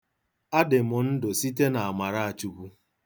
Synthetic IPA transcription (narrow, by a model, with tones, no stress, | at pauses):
a˦dɪ˨mɔ˨n̩˦dʊ˨si˦t̬e˦na˨a˨ma˨ɾa˦a˨t͡ʃu˦ku˦